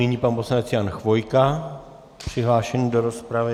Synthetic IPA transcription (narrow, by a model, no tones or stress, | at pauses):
iɲiːpanposlanɛt͡sjanxvo̞jka | pr̥ɪɦlaːʃɛɲidoɾospɾavɪ